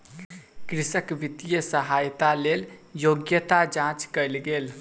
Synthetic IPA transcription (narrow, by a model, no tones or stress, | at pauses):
kɾisəkʋit̪ijəsəɦajt̪aleljoɡjət̪ad͡ʒãt͡ʃkəjlɡel